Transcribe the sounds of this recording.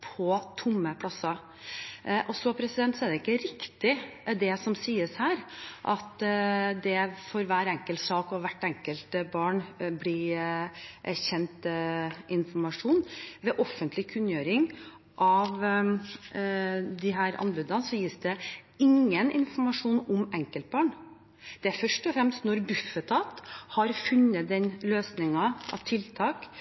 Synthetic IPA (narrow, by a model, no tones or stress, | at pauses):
pʰɔt̪ʰʊmːəpʰlɑsɑ | ʔɔsɔpʰɾɛsɪd̪ɛnt̪sɔɛd̪ɛɪkːəɾɪkt̪ɪd̪ɛsɔmsiːəshæːɾʔɑt̪d̪ɛfɔɾʋæːɾɛŋkəlt̪sɑːkɔʋæʈːɛŋkəlt̪bɑːɳblɪ | ʔæçɛnt̪ʔɪnfɔmɑʂuːnʋɛʔɔfənt̪lɪkʰʉnːjøːɾɪŋ | ʔɑʋ | d̪ɪɦæːɾɑ̰nbʉːd̪ɑnsɔjiːsd̪ɛɪŋːənɪ̰nfɔɾmɑʂuːnɔmɛŋkəlt̪̚bɑːɳ | d̪̥ɛæɾfœʂʈɔfɾɛmst̪nɔɾbʉfət̪ʰɑːt̪hɑɾfʉnːət̪̚d̪ɛnløːsnɪŋɑʔɑ̰ʋt̪ʰɪlt̪ʰɑːk